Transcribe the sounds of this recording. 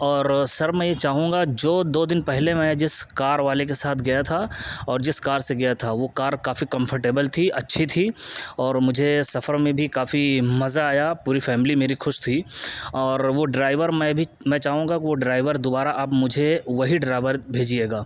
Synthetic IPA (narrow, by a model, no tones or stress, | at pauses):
ɔːɾsɐɾmɛ̃jet͡ʃaːɦũːŋɡad͡ʒoːd̪oːd̪ɪnpɛɦlemɛ̃d͡ʒɪskaːɾʋaːlek̬esaːt̪ʰɡɐjat̪ʰaɔːɾd͡ʒɪskaːɾseɡɐjat̪ʰaʋokaːɾkaːfikɐ̃mpʰəɾʈeːbəlt̪ʰiʔɐtːʃʰit̪ʰiɔːɾmʊd͡ʒʱesɐfəɾmẽbʱikaːfimɐzaːjapuːɾifɛːmlimeːɾixʊʃt̪ʰiːɔːɾʋoɖɾaːɪʋəɾmɛ̃bʱi | mɛ̃ːt͡ʃaːɦũːŋɡakiʋoɖɾaːɪʋəɾd̪ʊbaːɾaʔɐpmʊd͡ʒʱeʋɐɦiɖɾaːɪʋəɾbʱeːd͡ʒieːɡaː